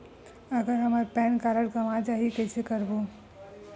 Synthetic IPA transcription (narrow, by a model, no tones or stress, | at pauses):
əɡəɾɦəmaɾpɛːnkaːɾəɽkɐmat͡ʃaːɦiekesʰekəɾboː